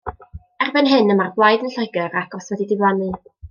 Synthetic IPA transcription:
ɛrbɛnɦɨnəmarɡwlˠajdənɬɔjɡəɾaɡɔswɛdidɪwlˠanɨ

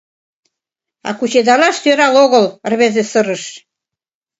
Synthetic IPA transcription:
ɑ̰kut͡ɕed̪ɑlɑʃt̪øɾɑloɣɤ̆lə̆rβezesɤ̆ɾə̆ʃ

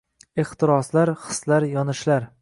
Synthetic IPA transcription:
eht̪ɪɾɒslaɾχɨ̥slaɾjɒnɪʃlaɾ

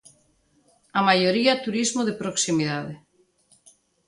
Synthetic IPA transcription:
amajoɾiat̪uɾizmoðepɾoksimiðaðe

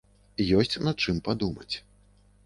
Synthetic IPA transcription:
jɔsʲt͡sʲnat͡ʂɨmpad̪umɐ̰t͡sʲ

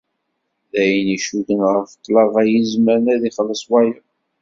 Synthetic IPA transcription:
ðæjəniʃudənʁəɾft̪ˤːlɑvæjizmæɾnæðiχəlːəsˤwæjə

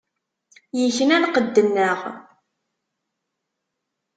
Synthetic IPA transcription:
jəçənænqəd̪ːənːəʁ

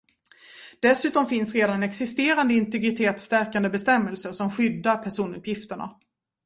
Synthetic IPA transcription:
d̪̥ɛsʉ̟ːt̪ɔmfɪnsɾeːd̪annɛksɪst̪eːɾand̪əɪnt̪ɛɡɾɪt̪ʰeːt̪st̪æɾkand̪əbɛst̪ɛmːəlsəʂɔmɧʏd̪ːaɾpʰæʂuːnɵ̰pʰjɪft̪əɳa̰

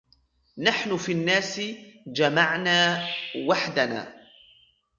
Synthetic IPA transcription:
naħnʊfiːnːaːsɪd͡ʒamaʕnaːwaħd̪ana̰ː

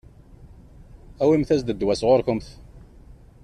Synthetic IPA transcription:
æwimθæzd̪əd̪wæsʁoɾkəmθ

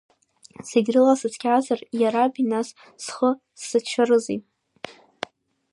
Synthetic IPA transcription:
seɡʲrɨlasɨt͡sʰkʲʰʼʕazarjaɾabinas | sχə | sːɨt͡ʃʷʰarɨzḭtʼ

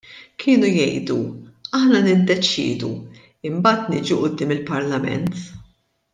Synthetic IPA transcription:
kʰɪːnujɛjd̪uɐħnɐnɪd̪ːɛt͡ʃɪ̰ːd̪ṵ | ɪmbɐːt̪nɪːd͡ʒuʔʊd̪ːɪːmɪlpɐɾlɐmɛ̰nt̪

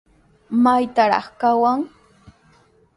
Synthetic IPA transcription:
majt̪aɾɑ̰χkawaŋ

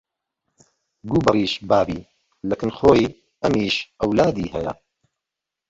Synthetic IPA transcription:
ɡuːbɨriːʃbaːbiː | lɐkɨnxoːj | ɐmiːʃɐwlaːd̪iːhɛjɐ̰

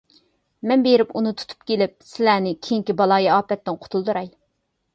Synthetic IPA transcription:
mɛnbeɾɪpunɨt̪ʰu̥t̪ʰu̥p̚kʲelɪp̚sɪlænɪkʲʰejiŋkʲibɑlˠɑːjɛɑːpɛt̪ːɪnqʰʊ̥t̪ʰulˠd̪uɾɑj

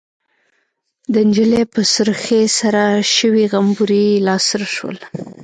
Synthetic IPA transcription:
d̪ənd͡ʒəlepəsəɾxesaɾaʃəwiɣambuɾilɑsɾaʃwə̰l

